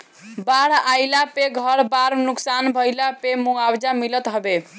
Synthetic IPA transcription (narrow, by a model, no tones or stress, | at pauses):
baɽ̤ajlapeɡʱʌɾbaɾnuksanbʱəjlapemuawd͡ʒamilət̪ɦəbe